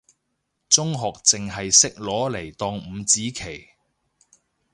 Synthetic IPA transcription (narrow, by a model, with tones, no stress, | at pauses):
t͡sʊ˥ŋɦɔː˨k̚t͡sɪ˨ŋɦɐ˨jsɪ˥k̚lɔː˨˥le˨˩jt̪ɔː˨˧ŋm̩˨˧t͡siː˨˥kʰe˨˩j